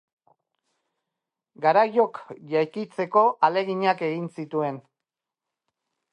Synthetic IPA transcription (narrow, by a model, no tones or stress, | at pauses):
ɡaɾajo̞kʝajkit͡se̞ko̞ʔale̞ɣiɲake̞ɣinsit̪ue̞n